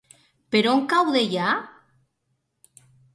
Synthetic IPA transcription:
peɾoŋkawðeja

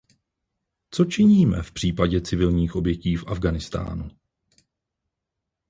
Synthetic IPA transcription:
t͡so̞t͡ʃɪɲiːmɛ̰fpr̝̥iːpaɟɛt͡sɪvɪlɲiːxʔo̞bjɛciːfʔavɡanɪst̪a̰ːnu

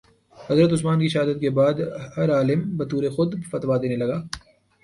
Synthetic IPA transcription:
hɐzɾət̪̬ʊsmaːnkiʃɐɦad̪ət̪̚kebaːd̪hɐɾaːlɪmbɐt̪uːɾexʊd̪fɐt̪ʋad̪eːnelɐɡaː

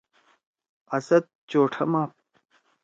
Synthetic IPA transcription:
ɐsɐt̪̚t͡ɕoːʈʰɐmaːp̚

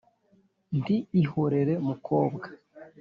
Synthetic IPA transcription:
ndiihoɾe̞ɾe̞mukʰoːbɡḁ

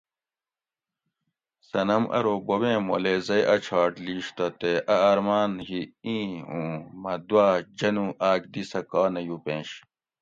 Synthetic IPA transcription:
sɐnɐmʔɐ̰ɾobobẽːmo̰lezɐjʔɐt͡ɕʰaːʈliːɕt̪ɐt̪eʔɐːɾmaːnɦiĩːũːmɐd̪waːd͡ʑɐnũːʔaːkd̪isɐkaːnɐjupẽːɕ

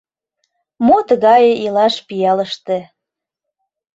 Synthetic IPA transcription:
mot̪əɣɑjeilɑʃpijɑləʃt̪ĕ

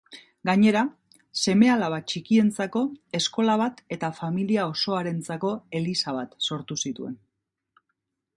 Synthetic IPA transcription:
ɡaɲe̞ɾa | se̞me̞alaβ̞at͡ʃikie̞nt͡sako̞e̞sko̞laβat̪e̞t̪afamiliao̞so̞aɾe̞nt͡sako̞e̞lisaβ̞at̪so̞ɾt̪usit̪ue̞n

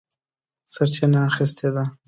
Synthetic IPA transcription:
səɾt͡ʃɪnaːxɪst̪ʰed̪a

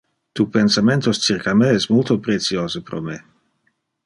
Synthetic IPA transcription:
t̪upensament̪ost͡sirkameɛsmult̪opɾet̪sioːzepɾo̰me

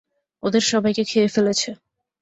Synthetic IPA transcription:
od̪eɾʃɔbajkekʰeefelet͡ɕʰe

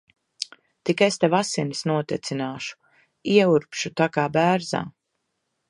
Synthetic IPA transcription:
t̪ikaest̪evasinisnuɔt̪ɛt̪sinaːʃu̥ | iɛuɾpʃut̪akaːbæːɾza̰ː

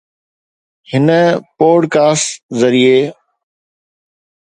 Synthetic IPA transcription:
hɪnəpoːɖkaːsʈzəɾieː

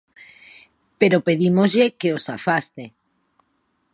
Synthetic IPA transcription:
peɾopeðimozʎekeosafast̪e

